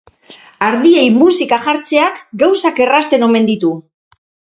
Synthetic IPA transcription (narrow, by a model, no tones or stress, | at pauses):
aɾðiejmusikaʝaɾt͡se̞akɡawsake̞rast̪e̞no̞me̞nd̪it̪u